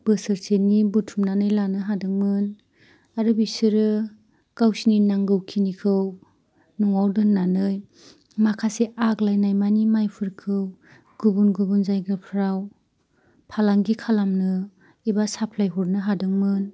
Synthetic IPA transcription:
b̥ɯsɯɾsenibutʰumnanɯjlanɯɦadɯŋmɯn | aɾɯbisɯɾɯ | kawsininaŋɡɯwkʰinikʰɯw | nuŋawdɯnnanɯj | makʰaseʔaklajnajmanimajpʰɯɾkʰɯw | ɡ̥ubunɡubunzajɡɾɯpʰɾaw | pʰalaŋɡikʰalamnɯ | ebasapʰlajɦuɾnɯɦadɯŋmɯn

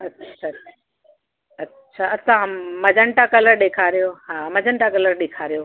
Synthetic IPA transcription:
ɐtːɕʰaa | ɐtːɕʰaɐsãmɐd͡ʑʱəɳʈakɐləɾɗeːkʰaːɾijoɦaːmɐd͡ʑəɳʈakɐləɾɗeːkʰaːɾijoː

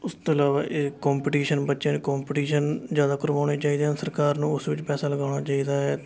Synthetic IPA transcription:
ʊst̪oəlaːʋaːʔeːkɔːmpɪʈiːʃənbətːʃẽːnːkaːmpːʈiːʃənzjaːd̪aːkʊɾʋaːɽeːt͡ʃaːiːd̪eːãːsəɾkaːɾnũːʊsʋɪt͡ʃpɛːsaːləɡaːɽaːt͡ʃaːiːd̪aːɦɛː

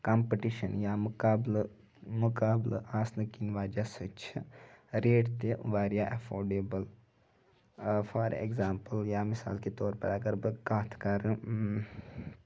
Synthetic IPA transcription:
kampəʈiʃɐnjaaːbl | mukaːblə̰ʔaːsnɐkinʋaːd͡ʒasɨt͡ʃʰiɾeːʈt̪eʋaːɾjaʔɐfʰoːɾɖeːbəl | fʰaɾḛɡzaːmpəljaːmisa̰ːlket̪oːɾpɐ̰ɽaːɡɐɾbəkaːt̪ʰkaɾ

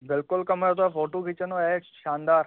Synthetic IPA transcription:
bɪlkʊlkəmɾat̪̬oafoʈukit͡ʃənoeʃand̪aɾ

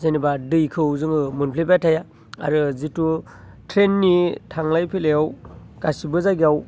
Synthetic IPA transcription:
zenibadɯjkʰɯwzɯŋɯmunpʰlepatʰaja | a̰ɾɯzitu | tʰɾenːitʰaŋlajpʰilejaw | ɡ̥asibɯzaɡiaw

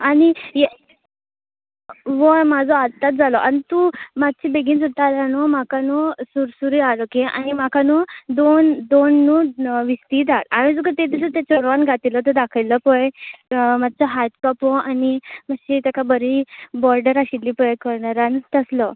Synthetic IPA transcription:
anije | ʋɔmad͡zʱɔat̪at̪̚d͡zalɔʔanit̪umaɡ̚t͡ɕibeɡiːnd͡zut̪alanɔmakanɔsuɾsuɾialɔkeʔa̰nimakanɔd̪ond̪onːuʋist̪iːd̪alaɽ̃ĩd͡zukət̪ed̪isət̪jat͡ɕɔɾʋanɡʱat̪ilɔt̪̬əd̪akʰəlɔpɔjmad̪̚t͡sɔɦajʈkɔpɔanimaɕit̪akabəɾibɔɾɖəɾaɕilːiːpɔəkəɾɳaɾant̪əslɔ

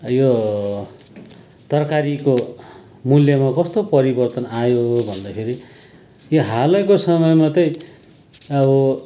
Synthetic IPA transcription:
jo | t̪ʌrkaɾiko | muljʌmakʌst̪opʌɾibʌrt̪ʌnajobʱʌnd̪akʰeɾi | joɦalʌjkosʌmʌjmat̪ʌj̃ | ʌbʌ

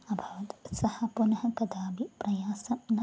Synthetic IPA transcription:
ɐbʱɐʋɐt̪sɐhɐpunɐɦɐkɐd̪aːbipɾɐjaːsɐmnɐ

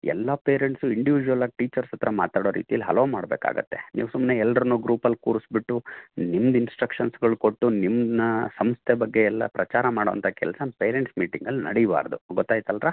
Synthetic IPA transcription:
ɛ̰lːɐpeːɾeɳʈsuiɳɖiʋid͡ʒuʋɐlaːɡ̚ʈiːt͡ʃɐɾsɐt̪ːɾɐma̰ːt̪aːɽo̞ːɾḭːt̪ijɐlːiɦɐloʋomaːɽbeːka̰ːɡɐ̰t̪ːe̞̰niːʋsumneɛlːɾɐnuːɡɾuːpɐlkuːɾisbiʈːunimd̪insʈɾɐkʂɐnsɡɐɭuko̞ʈːunimd̪nɐsɐmst̪ʰebɐɡːe̞ɛlːɐ̰pɾɐt͡ʃaːɾɐmaːɽoʋɐnt̪ʰɐkɛ̰lsɐpeːɾeɳʈsmiːʈiŋɡɐlnɐ̰ɽiba̰ːɾd̪uɡɔt̪ːaːjt̪ɐlɾaː

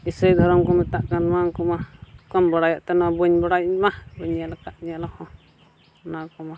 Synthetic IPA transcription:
isəjd̪ʱɔɾɔmkɔmɛt̪aʔkanmaŋkɔmakɔmbɔɽajaʔt̪ɛnabɔɲbɔɽajmahbɔɲalakaʔɲalakɔ̃ | nakɔma

